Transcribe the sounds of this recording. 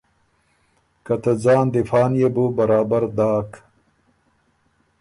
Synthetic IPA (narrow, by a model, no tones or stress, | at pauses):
kɐt̪ɐd͡zaːnd̪ifaːnjebubɐɾaːbɐɾd̪aːk